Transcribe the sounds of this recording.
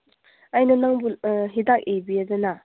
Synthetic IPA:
ajnɐnaŋbulɦidak̚ebiadɐna

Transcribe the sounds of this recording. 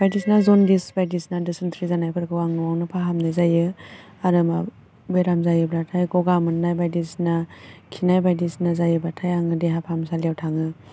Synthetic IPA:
bajdisnazɔndisbajdisnadɯsɯntʰɾizanajkʰɯɾkʰɯwaŋɯwawnɯpʰaɦamnɯzajɯ | aɾɯma | bɯjɾamzajɯblatʰajɡɔɡamɯnnajbajdisnakʰinajbajdisnazajɯblatʰajaŋɯdeɦapʰamsaljewtʰaŋɯ

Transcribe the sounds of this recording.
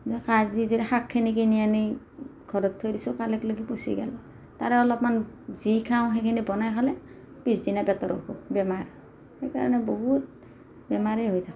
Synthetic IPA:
zɔkazizodixakʰːinik̬inijani | ɡʱɔɹɔtʰːojdisʊkalɛkloɡiposḭɡɛ̰lɔ | taɹɛɔlɔp̚manzikʰaʊ̃xekʰinibɔnajkʰalɛ | pisdinapɛtɔɹɔ̰kʰṵbɛmaɹ | xejka̰ɹɔ̰nɛbɔɦut̚ | bɛmaɹɛɦojtʰak

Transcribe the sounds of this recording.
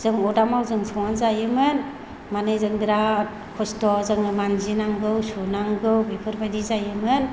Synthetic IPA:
z̥ɯŋɔdamawzɯŋsʰɔŋanzajɯmɯn | manɯzɯŋdɾat̚ | kʰɔstɔzɯŋɯmanzinaŋɡɯwsunaŋɡɯwbepʰɯɾbadizajɯmɯn

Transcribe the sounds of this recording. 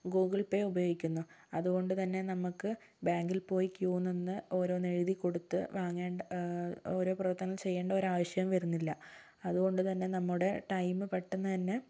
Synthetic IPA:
ɡuːɡiɭpeubɐjo̞ːɡikʲːunːuɐðuɣo̞ɳɖɨt̪ɐnːe̞nɐmukːɨ | baːŋɡilpo̞ːjikjuːnːenːɨo̞ːɾo̞ːneɻiðikːo̞ɽut̪ːɨʋaːŋːeːɳɖɐo̞ːɾo̞ːprɐʋɐrt̪ːɐnɐlt͡ɕe̞jːeːɳɖɐoɾaːʋɐɕjɐɣɐmʋɐɾunːilːɐ | ɐðuɣo̞ɳɖɨt̪ɐnːe̞nɐmːuɽe̞ʈɐjmːɨpeʈːunːɐt̪ɐnːe̞

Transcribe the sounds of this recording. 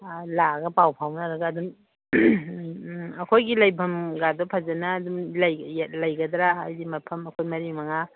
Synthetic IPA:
laɡɐpawpʰawnɐɾɐɡɐːdum | ɐkʰojɡilɐjbʰʱɐmɡadɔpʰɐzɐnɐːdumlajlɐjɡɐdɾaajdimɐpʰɐmɐkʰojmɐɾimɐŋa

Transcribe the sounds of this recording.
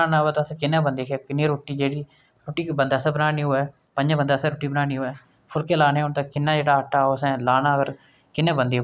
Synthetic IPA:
aːnaːʋəːt̪asɛ̃ːkɪnːãːbənd̪iːkekɪnːeːɾoːʈːiːd͡ʒeːɽiː | ɾoːʈːiːbənd̪aːsãːbənaːniːoːɛː | pə̃ɲd͡ʒbənd̪aːsɛ̃ːɾoːʈːiːbənaːniːoːɛː | pʰʊlkeːlaːneːont̪aːkɪnːãːd͡ʒeːɽaːʈːaːoːəsɛ̃ːlaːnaːkəɾ | kɪnːẽːbə̃nd̪iː

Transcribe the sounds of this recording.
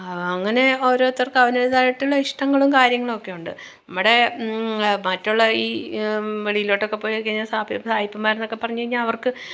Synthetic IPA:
ɐŋːɐne̞oɾo̞ːt̪ːɐrkɐʋɐnelðaːjiʈːuɭːɐiʂʈɐŋːɐɭumkaːɾjɐŋːɐɭo̞kːe̞juɳɖɨ̰ | nɐmːoɽe̞ | mɐtːuɭːɐiː | ʋeɭijiloʈːo̞kːe̞pːoːjkːɐɲːasaːsaːjipːɐmːaːɾenːo̞kːe̞pːɐrɐɲːukɐɻiɲːaːnɐʋɐrkɨ

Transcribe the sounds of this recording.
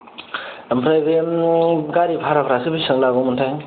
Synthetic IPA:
mpʰɾajbe | ɡaɾipʰaɾakʰɾasɯbisɯŋlabomɯntʰajŋ

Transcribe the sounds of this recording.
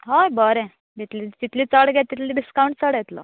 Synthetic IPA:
ɦajbəɾɛ̃ | d̪it̪lit̪it̪liːt͡səɽɡɛt̪ːit̪liːɖiskawɳʈt͡səɽjɛt̪lə̰

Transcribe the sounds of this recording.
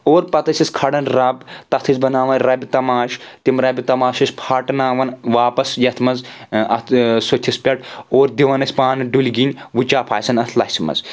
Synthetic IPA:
oːɾpɐt̪ɐsʲiskʰɐɽɐnɾaːbt̪ɐt̪ʰizbɐnaːʋɐnɾɐbʲit̪ɐmaːʃt̪imɾɐbʲit̪ɐmaːʃɐsʲpʰaːʈnaːʋɐnʋaːpɐsjɐt̪ʰmɐnzɐ̰t̪ʰsot̪ʰːispʲɐʈoːɾd̪iʋɐnɐsʲpaːnɨɖulʲɡinʲʋut͡ʃaːpʰaːsɐnɐt̪ʰlɐsimɐ̰z

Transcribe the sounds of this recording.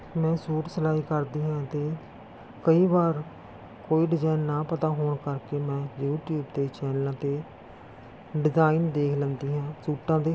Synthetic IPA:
mɛ̃ːsuːʈsəlaːiːkəɾd̪iːɦɛ̃ːt̪eː | kəiːbaːɾ | koːiːɖɪzaːɪnːaːpət̪aːɦoːɳkəɾkeːmɛ̃ːjuːʈjuːbt̪eːt͡ʃɛːnəlãːt̪eː | ɖɪzaːiːnd̪eːkʰlə̃nd̪iːɦɛ̃ːsuːʈãːd̪eː

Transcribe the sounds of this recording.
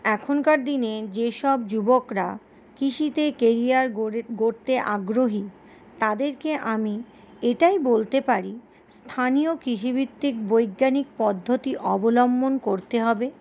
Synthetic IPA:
ɛkʰonkaɾd̪ined͡ʑeʃɔb̚d͡ʑubokɾa | kiʃit̪ekeɾiaɾɡoɾt̪eʔaɡɾoɦi | t̪ad̪eɾkeʔami | eʈajbolt̪epaɾi | st̪ʰanijokɾiʃ̬ibit̪ːikbojɡːanik̚pɔd̪ʱːot̪iʔɔbolɔmbonkoɾt̪eɦɔbe

